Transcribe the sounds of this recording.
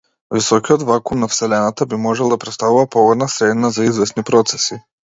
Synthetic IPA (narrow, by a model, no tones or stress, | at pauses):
visɔkijɔd̪vakumnafsɛlɛnat̪abimɔʒɛlˠd̪apɾɛt̪st̪avuvapɔɡɔd̪nasɾɛd̪nazaizvɛsnipɾɔt̪sɛ̥si